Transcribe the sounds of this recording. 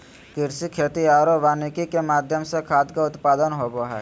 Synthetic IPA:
kɪɾsikʰeːt̪iaːɾoʋaːnikikemaːd̪ʱjəmsekʰaːd̪kaʊt̪paːd̪ənɦoboɦɛ̰ː

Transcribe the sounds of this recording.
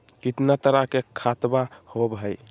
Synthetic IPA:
kit̪nat̪əɾakekʰat̪bahobɦəj

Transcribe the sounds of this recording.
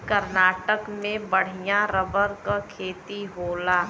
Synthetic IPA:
kəɾnaːʈəkmẽbəɽ̤ijãɾəbəɾkakʰeːt̪iɦoːlaː

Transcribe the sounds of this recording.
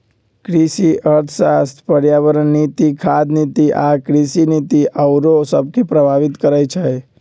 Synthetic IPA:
kɾisiʔəɾt̪ʰsast̪ʰpəɾjaʋəɾənːit̪ikʰad̪nit̪iʔakɾisinit̪iʔəwɾosəb̚kepɾəbʱaʋɪt̪kəɾajt͡ʃʰaj

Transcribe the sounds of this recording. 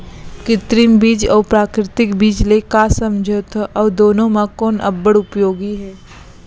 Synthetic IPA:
kɪt̪ɾimbiːd͡ʒɔːpɾaːkɾɪt̪ɪkbiːd͡ʒlekasə̃md͡ʒʱot̪ʰʔɔːd̪oːnõmãkɔːnɐ̰bːəɽʊpjoːɡiɦɛː

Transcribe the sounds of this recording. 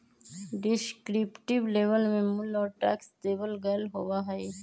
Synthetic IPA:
ɖɪskɾipʈɪbleːʋəlmẽmʊlɔːɾʈɛ̰ːksteːbəlɡəlɦowaɦɛe

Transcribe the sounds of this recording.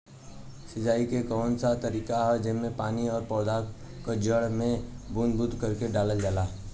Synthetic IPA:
sɪd͡ʒaːikekɔːnsat̪əɾiːkaɦɛd͡ʒɪmẽpaːniɔːɾpɔːd̪ʱa | kəd͡ʒəɽmẽbunbʊd̪ʱkəɾkeɖaːləld͡ʒaːla

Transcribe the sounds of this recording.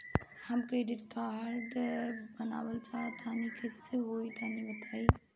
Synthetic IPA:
həmkɾeɖiʈkaɾɖbəna̰ːbəlt͡ʃat̪ʰanikʰeseɦoit̪ʰanibət̪ʰai

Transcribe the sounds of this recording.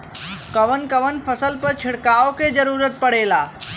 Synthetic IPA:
kɐʋənkɐʋənfʰəsəlpəɾt͡ʃʰɪɽkaːoked͡ʒəɾuːɾət̪̚pəɽ̤eːlaː

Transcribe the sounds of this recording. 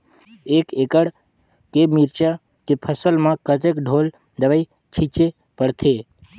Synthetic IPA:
ekekəɽ | kemiɾt͡ʃa | kepʰəsəlmãkət̪əkɖʱol | d̪əʋai | t͡ʃʰit͡ʃe | pəɽt̪ʰe

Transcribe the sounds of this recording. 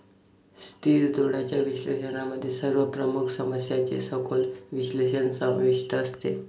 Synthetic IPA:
st̪iːɾd̪oɽ̤at͡ɕjaʋiɕlḛɕənaməd̪ʱːjesəɾʋəpɾəmukʰsəməsjat͡sḛsəkʰolʋiɕleɕənsə̃ʋiʂʈəːst̪e

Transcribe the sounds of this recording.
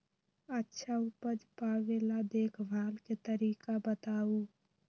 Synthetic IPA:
ətːʃʰaʊpəd͡ʒpaːʋelad̪eːkʰbʱaːlket̪əɾiːkabət̪aːu

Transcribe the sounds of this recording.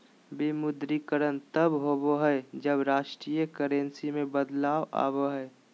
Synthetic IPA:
bimʊd̪ɾikəɾənt̪əbɦoboɦɛed͡ʒəbɾaːʃʈɾiːjəkəɾẽnsimẽbəd̪laːwʔa̰ːboɦɛe

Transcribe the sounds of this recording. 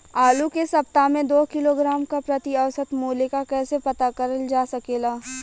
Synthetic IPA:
aːlukesɐp̚t̪amẽd̪oːkɪloɡɾaːmkapɾɐt̪iɐʋsət̪moːlekakɛːsepɐt̪akɐɾəld͡ʒaːsɐkeːlaː

